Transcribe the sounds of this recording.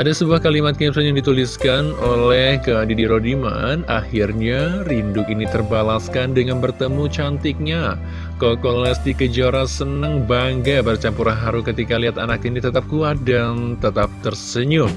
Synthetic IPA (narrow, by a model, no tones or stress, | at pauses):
ʔadasəbuahkalimat̪̚kipsanjaŋdit̪uliskanolɛhkədidiɾodima̰na̰hirɲarindʊkinit̪ərbalaskandəŋanbərt̪əmut͡ʃant̪ɪk̚ɲa | kokolasd̪ikəd͡ʒaɾasənəŋbaŋɡabərt͡ʃampuɾanɦaɾukət̪ikaliɦat̪a̰nakinit̪ət̪ap̚kuat̪̚dant̪ət̪ap̚t̪ərsəɲʊ